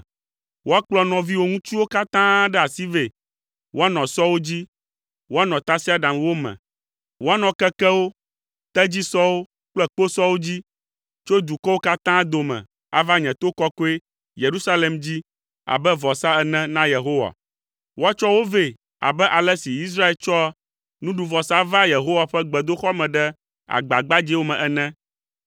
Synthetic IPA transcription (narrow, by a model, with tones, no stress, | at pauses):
wʔo˦a˦k͡plɔ˦nɔ̃˨vi˦wo˦ŋũ˦t͡ʃi˦wo˦ka˦t̪ã˦ɖɛ˦a˨si˦ve˨ | wo˦a˦nɔ̃˨sɔ˦wo˦d͡ʑi˦ | wo˦a˦nɔ̃˨t̪a˦si˦a˨ɖã˨mwo˦mɛ̰̃˨ | wo˦a˦nɔ̃˨kɛ˦kɛ˦wo˦ | t̪ɛ˦d͡ʑi˦sɔ˦wo˦ | k͡plɛ˦k͡po˦sɔ˦wo˦d͡ʑi˦ | t͡ʃo˦d̪u˨kɔ˦wo˦ka˦t̪ã˦d̪o˨mɛ̰̃˨ | a̰˨va˦ɲɛ̃˨t̪o˦kɔ˦kɔ˦e˦ | je˨ɾu˦sa˦le˨md͡ʑi˦ | a̰˨bɛ˦vɔ˨sa˦ɛ˨nɛ̃˦nã˦je˨ɦo˦wa̰˨ | wo˦a˦t͡ʃɔ˦wo˦ve˦ | a̰˨bɛ˦ʔa˨lɛ˦si˨i˦s̬ɾa˦e˨lt͡ʃɔ˦a˦ | nũ˦ɖu˨vɔ˨sa˦va˦je˨ɦo˦wa˨ɸɛ˦ɡ͡bɛ˨d̪o˦xɔ˦mɛ̃˨ɖɛ˦ | a̰˨ɡ͡ba˨ɡ͡ba˦d͡ʑi˦wo˦mɛ̃˨ʔɛ˨nɛ̃˦